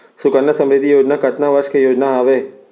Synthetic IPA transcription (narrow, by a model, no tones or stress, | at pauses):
sʊkənːəsɐ̃mɾɪd̪ʱijoːd͡ʒnakɐt̪naʋɐɾʃkejoːd͡ʒnaaːʋeː